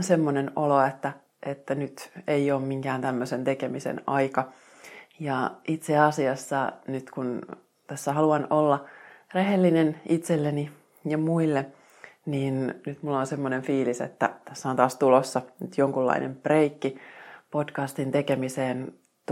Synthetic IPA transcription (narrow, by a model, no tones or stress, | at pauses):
semːonenoloet̪ːæ | ʔet̪ːænyt̪eioːmmiŋkæːnt̪æmːøsent̪ekemisḛnɑikɑ | jɑit̪seɑsiɑsːɑnyt̪kun | t̪æsːæɦɑluɑnolːɑreɦelːinenit̪selːeni | jɑmuilːe | niːnnyt̪mulːonsemːoneɱfiːlisḛt̪ːæ̰t̪æsːæont̪ɑːst̪ulosːɑnyt̪joŋkulːɑ̰inʔḛmpreikːipo̞dkɑst̪int̪ekemiseːn | t̪